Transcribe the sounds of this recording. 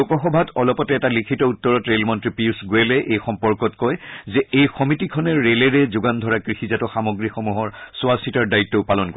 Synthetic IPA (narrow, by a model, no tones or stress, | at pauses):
okɔxɔbʱatɔlɔpɔtɛːtalikʰitɔutːɔɹɔtɹelmɔntɹipiusɡojɛlɛʔejxɔmpɔɹkɔtkɔjzɛejxɔmitikʰɔnɛɹelɛɹɛzʊɡandʱɔɹakɹixizatɔxamɔɡɹixomuɦɔɹsʊasitaɹdaitːɔpalɔnkɔ